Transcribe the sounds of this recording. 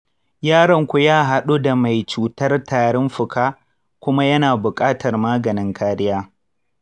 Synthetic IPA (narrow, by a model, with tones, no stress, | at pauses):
jaː˦ɽɐ˨ŋkʷu˨jaː˦ɦa˨ɗu˦da˨ma˨jt͡ʃuː˨tɐ˦rtaː˨ɽɪ˦mɸʊ˨kʰaː˦ | kʷʊ˦ma˦jɐ˦naː˨bʊ˨kʼaː˦tɐ˨rmaː˦ɡɐ˨nɪ˦ŋkʰaː˦ɾɪ˦jaː˦